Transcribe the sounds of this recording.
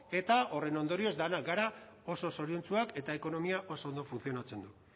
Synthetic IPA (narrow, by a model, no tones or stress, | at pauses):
e̞t̪ao̞re̞no̞nd̪o̞ɾio̞zd̪anaɡaɾao̞so̞so̞ɾiont͡suake̞t̪ae̞ko̞no̞miaʔo̞soond̪ofunθio̞nat͡se̞nd̪u